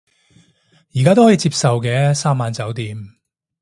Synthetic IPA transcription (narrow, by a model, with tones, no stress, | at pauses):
jiː˨k̬aː˥t̪o˥wɔː˨˥i˧˥t͡siː˧p̚sɐ˨wkɛː˧saː˥mːaː˨˧nt͡sɐ˨˥wt̪iː˨˧m